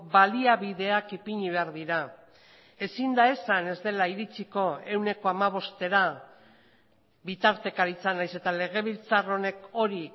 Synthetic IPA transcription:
baliaβiðe̞akipiɲiβe̞aɾðiɾa | e̞sind̪ae̞sane̞zd̪e̞laiɾit͡siko̞e̞wne̞ko̞amaβ̞o̞st̪e̞ɾa | bit̪aɾt̪e̞kaɾit͡sanajse̞t̪ale̞ɣ̞e̞βilt͡saro̞ne̞ko̞ɾi

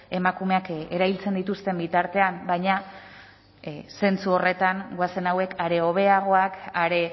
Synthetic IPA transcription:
e̞makume̞ake̞ɾaβilt͡se̞nd̪it̪ust̪e̞mbit̪aɾt̪e̞ambajɲa | se̞nt͡suo̞re̞t̪aŋɡoase̞nawe̞kaɾe̞o̞β̞e̞aɣ̞o̞akaɾe̞

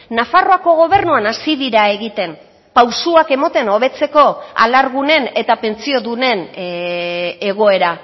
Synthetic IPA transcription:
nafaro̞ako̞ɣ̞o̞β̞e̞ɾnuanasiðiɾae̞ɣit̪e̞n | pawsuake̞mot̪e̞no̞β̞e̞t͡se̞ko̞a̰laɾɣ̞une̞ne̞t̪ape̞nt͡sio̞ðune̞n | e̞ɣ̞o̞e̞ɾa

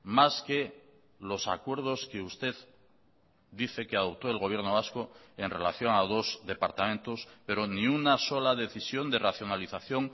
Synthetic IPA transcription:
maske | lo̞sa̰kwe̞ɾð̞oskeust̪e̞ð | d̪iθekeaðo̞p̚t̪oelɣoβ̞je̞ɾnoβaskoe̞nrelaθjoŋaðo̞zðe̞paɾt̪amẽnt̪ospe̞ɾonĩunaso̞laðe̞θisjo̞nd̪eraθjo̞naliθaθjo̞ŋ

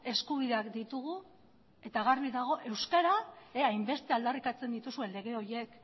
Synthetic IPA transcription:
e̞skuβ̞iðe̞akd̪it̪uɣ̞u | e̞t̪aɣarβiðaɣ̞o̞ʔe̞wskaɾaajmbe̞st̪eald̪arikat͡se̞nd̪it̪usue̞nle̞ɣ̞e̞o̞ɾje̞k

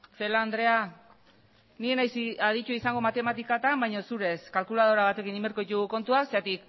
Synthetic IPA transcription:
se̞land̪ɾe̞a | nie̞najsiaðit͡ʃuaisaŋɡo̞mat̪e̞mat̪ikat̪ambajɲo̞suɾe̞skalkulaðo̞ɾaβ̞at̪e̞kinimeɾko̞it̪uɣuko̞nt̪uaseat̪ik

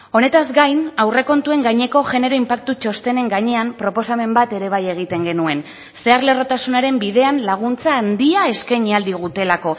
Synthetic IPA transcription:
o̞ne̞t̪azɡajnawre̞ko̞nt̪ue̞ŋɡaɲe̞ko̞ʝe̞ne̞ɾo̞impak̚t̪ut͡ʃo̞st̪e̞ne̞ŋɡaɲe̞ampɾo̞po̞same̞mbat̪e̞ɾe̞β̞aje̞ɣ̞it̪e̞ŋɡe̞nue̞n | se̞aɾle̞ro̞t̪asunaɾe̞mbiðe̞anlaɣ̞unt͡saːnd̪iae̞skaɲiald̪iɣ̞ut̪e̞lako̞

